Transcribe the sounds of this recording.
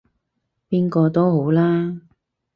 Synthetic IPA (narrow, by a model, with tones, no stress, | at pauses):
piː˥nkɔː˧t̪o˥wɦo˨˥wlaː˥